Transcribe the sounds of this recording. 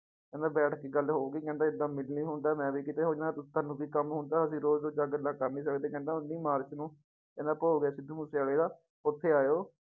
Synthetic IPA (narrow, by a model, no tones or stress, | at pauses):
kɛ̃nd̪aːbɛːʈkiːɡəlɦoːɡiːkɛ̃ːnd̪aːɪd̪aːmɪlniːɦʊnd̪aːmɛ̃ːbiːkɪt̪eːɦoːd͡ʒɛ̃nat̪ʊt̪ʰːaːnũːbiːkəmɦʊnd̪aːəsĩːɾoːzd͡ʒ̪oːd͡ʒaːɡəlaːkaːnĩːsəkd̪eːkɛ̃ːnd̪aːʊnːiːmaːɾt͡ʃnũː | kɛ̃ːnd̪aːpoːɡɛːsɪd̪ũːmuːseːaleːd̪aː | ʊt̪ʰːeːaːjoː